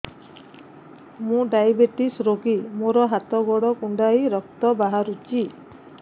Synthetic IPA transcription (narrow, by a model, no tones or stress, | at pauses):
mũɖajbeʈisɾoɡimoɾɔɦat̪ɔɡɔɽɔkuɳɖajɾɔk̚t̪ɔbaɦaɾut͡ʃi